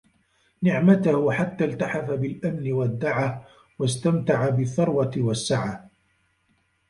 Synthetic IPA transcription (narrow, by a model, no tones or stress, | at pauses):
nɪʕmat̪ʊhʊħat̪ːaːlt̪aħafabɪlʔamnɪwad̪ːaʕa | wast̪amt̪aʕabɪθːɑɾˤwat̪ɪwasːaʕa